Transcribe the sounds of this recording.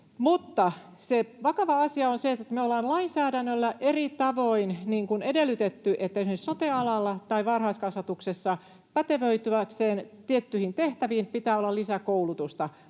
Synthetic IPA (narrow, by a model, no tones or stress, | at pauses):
mut̪ːɑ | seʋɑkɑʋɑɑsiɑonseet̪ːˑet̪meolːˑɑːnlɑinsæːdænːølːæʔerit̪ɑʋoinniːŋkunedelːyt̪et̪ːyʔet̪ːæyhessot̪eɑlɑlːɑt̪ɑiʋɑrhɑiskɑsʋɑt̪uksesːɑ | pæt̪eʋøyt̪yækseːnt̪iet̪ːyhint̪eht̪æʋiːnpit̪æːolːɑlisækoulut̪ust̪ɑ